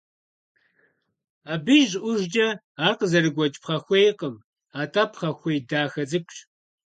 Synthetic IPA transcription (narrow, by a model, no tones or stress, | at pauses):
aːbɨʒʔʷʊʒd͡ʒʼɐ | aːrqəzɐɾɨɡʷɔt͡ʃʼpχɐxʷejqəm | aːtʰaːpʰχɐxʷejdaːxɐzɨkʷʼɕ